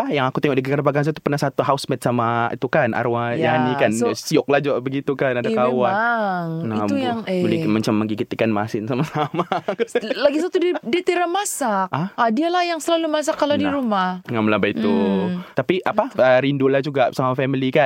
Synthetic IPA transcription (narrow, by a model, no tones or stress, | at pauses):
pajaŋakut̪ɛŋɔʔdiɡkaɾabaɡaŋs̬at̪u̥pərnahsat̪uɦawsmɛt̪samaḭt̪ukanʔa̰ɾuajjanikansiʊk̚lahd͡ʒɔʔbəɡit̪ukanadakawaŋnat̪ujaŋbolɛmat͡ʃamːə̃ŋɡiɡit̪ikanmasɪnsamasama | laɡisat̪udidit̪iɾamasakʔahadialahjaŋsəlalumas̬akːaladiɾumahəŋaməlabait̪ut̪apiʔapaəɾindulahd͡ʒuɡaʔsamafɛmilikan